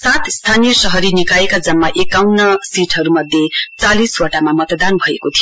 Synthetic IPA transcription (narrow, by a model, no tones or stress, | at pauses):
sat̪ʰst̪ʰanijʌsʌɦʌɾinikaekad͡zʌmːaʔekawnʌsiʈʰɦʌɾumʌd̪ʱjet͡saliswʌʈamamʌt̪d̪anbʱʌekot̪ʰijo